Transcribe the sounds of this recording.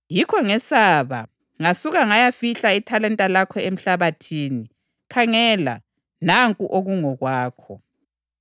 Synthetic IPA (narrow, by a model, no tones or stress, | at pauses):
jikʰɔŋɛsaːβa̰ | ŋasuɣaŋajafiɬaitʰalɛntʼalakʰɔem̩ɬaβatʰiːni | kʰaŋɛla̰ | naŋkʼuʔoɣuŋɔɣwaːkʰɔ